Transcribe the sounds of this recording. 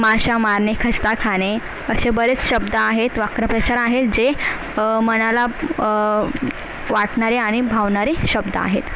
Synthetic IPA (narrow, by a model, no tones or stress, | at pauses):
maɕamaɾɳekʰəst̪akʰaɽ̃e | əɕebəɾet͡sɕəbd̪əaɦet̪ʋakɾəpɾət͡ɕaɾaɦeld͡ʑe | məñala | ʋaʈɳaɾeaɽ̃ibʱaʋɳaɾeɕəb̚d̪əa̰ɦet̪